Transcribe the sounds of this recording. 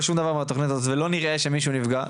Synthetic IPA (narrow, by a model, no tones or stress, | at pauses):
ʃumd̪avaʁmeat̪oχnit̪azot̪velo̞niʁʔe̞ʃemiʃunivɡa